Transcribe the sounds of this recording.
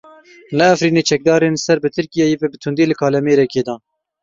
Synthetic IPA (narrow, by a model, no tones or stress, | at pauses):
nɛːfɾiːneːt͡ʃʰɛk̚d̪ɑːɾeːnsɛɾbɨt̪ʰɨɾkijɛjebɛbɨt̪ʰund̪eːlɨkʰɑːlɛmeːɾɛkeːd̪ɑː